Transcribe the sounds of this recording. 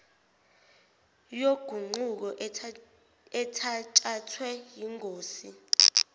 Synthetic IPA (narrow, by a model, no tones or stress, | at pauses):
joɡ̥ʱuŋ͡ǃuk̬ɔʔ | ɛtʰat͡ʃʼatʰwɛjiŋʱoːsi